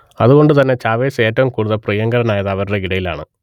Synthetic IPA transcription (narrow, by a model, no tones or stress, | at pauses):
ɐðuɣo̞ɳɖɨt̪ɐnːe̞t͡ɕaːʋeːseːtːɐʋumkuːɽuðɐprijɐŋɡɐɾɐnaːjɐðɐʋɐɾuɽe̞iɽɐjila̰ːɳɨ̰